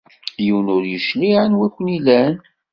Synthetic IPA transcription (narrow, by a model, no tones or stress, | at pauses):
jəwnʊɾjəʃliʕənwækʷːnilæn